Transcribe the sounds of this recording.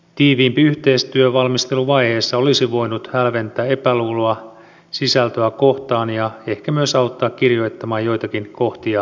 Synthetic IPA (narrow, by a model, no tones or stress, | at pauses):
t̪iːʋiːmpiyht̪e̞ist̪yøʋɑlmist̪e̞luʋɑjhe̞ːsːɑo̞lisiʋo̞jnut̪hælʋe̞nt̪æːe̞pæluːloɑ | sisælt̪øækoht̪ɑːnjɑe̞hkæmyøsɑut̪ːɑːkkirjo̞it̪ːɑmɑːjjojt̪ɑkinkoht̪iɑ